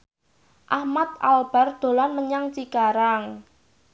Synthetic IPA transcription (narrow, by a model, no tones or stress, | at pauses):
ʔahmat̪̚a̰lb̥a̤rd̪̥o̤lanməɲaŋt͡ʃikaɾaŋ